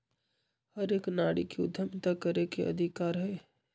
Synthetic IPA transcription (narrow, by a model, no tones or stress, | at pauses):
həɾeːknaːɽikiʊ̰d̪ʱjəmt̪akəɾekeʔɐ̰d̪ʱɪkaːɾɦɛː